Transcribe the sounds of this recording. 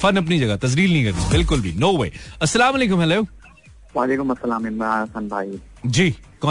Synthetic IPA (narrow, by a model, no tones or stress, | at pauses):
fɐnɐp̬nid͡ʒɐɡat̪ɐzliːlnɐɦĩkɐɾd̪ḭbɪlkʊlbʱinoːʋḛːɐsːɐlaːmɐleːkʊ̃mɦɛloː | ʋaːleːkʊmɐsːɐlaːmɪ̃naːɐsɐnbʱa̰ːi | d͡ʒiː | kɔ̃ː